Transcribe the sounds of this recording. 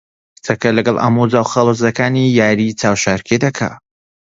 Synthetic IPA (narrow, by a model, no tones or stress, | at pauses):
t͡sɐkɐlɐɡɐlˠʔa̰mud͡zaːwχalˠozɐkaːnijaːɾit͡saːwʃaːɾkʰed̪ɐkʰa̰